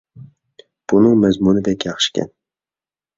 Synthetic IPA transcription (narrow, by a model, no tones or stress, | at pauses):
b̥ʊnɨŋmæzmunɪbɛkʲjɑχʃkʲʰæ̰n